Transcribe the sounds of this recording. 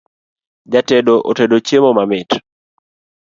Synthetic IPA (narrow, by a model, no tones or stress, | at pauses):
d͡ʒatɛdoʔotɛdot͡ʃemomamɪt